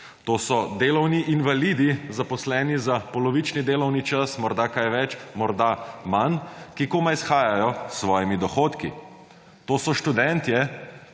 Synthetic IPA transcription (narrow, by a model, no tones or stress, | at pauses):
t̪oːsɔd̪eːlɔwniʔinʋalid̪izapɔslɛːnizapɔlɔʋit͡ʃnid̪eːlɔwnit͡ʃasmɔɾd̪akajʋɛt͡ʃmɔɾd̪amankikoːmaisxaːjajɔsːʋɔːjimid̪ɔxoːt̪kḭ | t̪oːsɔʃt̪ud̪ɛnt̪jɛ